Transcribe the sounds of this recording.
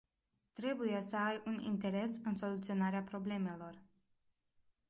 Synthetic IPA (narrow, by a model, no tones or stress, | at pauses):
t̪ɾe̞buje̞səajunḭnt̪e̞ɾe̞sɨnso̞lut̪sio̞naɾeapɾo̞ble̞me̞lo̞r